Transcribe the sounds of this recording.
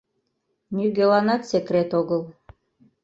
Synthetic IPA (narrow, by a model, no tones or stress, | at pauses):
nʲyɡʲelɑnɑt̪sʲekrʲet̪oɣəlˠ